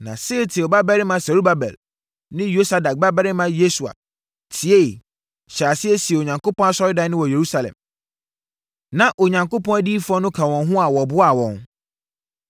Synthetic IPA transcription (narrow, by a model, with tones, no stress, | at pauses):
nã̰˨sɪ˦ɾɪ˦tʰɪ˨ɔ˨ba˦bɛ˦ɾɪ˦mã˨sa˨ɾu˦ba˦bɛ̰˨l | nɪ̃˦jo˦sa˦da˨k̚ba˦bɛ˦ɾɪ˦mã˦je˦su˨a̰˨ | tʰi˨e˦˨ | ɕa˨sɪ˦ɛ˦si˨e˨o˨ɲã˨ŋko˦pɔ̃˦a˦sɔ˦ɾɪ˦dã˨nɪ̃˦wɔ˨je˨ɾu˦sa˨lɛ̰̃˨m | nã˨ʔo˨ɲã˨ŋko˦pɔ̃˦a˦diː˦fʊ˦ɔ˦nʊ̃˦kʰa˨wɔ̃˨n˦ɦʊ̃˦a˨wɔ˨bʊ˦a˨wɔ̃˨n